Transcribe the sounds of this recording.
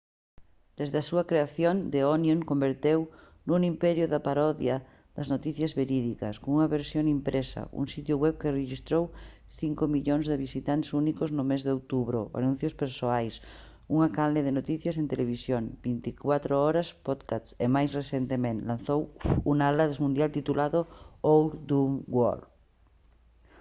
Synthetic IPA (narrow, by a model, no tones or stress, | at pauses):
d̪̥ezðasuɐkɾeaθjond̪eonjoŋkombeɾt̪ew | nunimpɛɾjʊðapaɾɔðja | ðɐznot̪iθjazβeɾiðikɐ̰skoŋuŋɐβeɾsjoŋimpɾʔesa̰ṵŋsit̪jʊɣwɛβkereʃist̪ɾow | θiŋkomiʎoŋzðeβisit̪ant̪sunikoznʊmezðeowt̪uβɾo̰a̰nũn̟θjospeɾsoajs | uŋakaleðenot̪iθjɐsent̪eleβisjoŋbint̪ikwat̪ɾoɔɾɐspɔðkasemajsresent̪emẽnlãnθowunaalaðezmũnd̪jalt̪it̪ulaðoowɾd̪umɡwɔ̰l